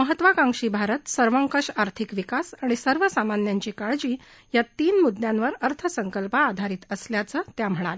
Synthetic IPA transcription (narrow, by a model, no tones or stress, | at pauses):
məɦət̪ʋakãŋʂiːbʱaɾət̪səɾʋəŋkəʂaɾt̪ʰikʋikasaɽ̃isəɾʋəsamanjaɲt͡ɕikaɭd͡ʑiː | jat̪iːnmud̪jãnʋəɾəɾt̪ʰəsəŋkəlpaːd̪ʱaɾiːt̪əsljat͡səːt̪jam̤əɽ̃a̰l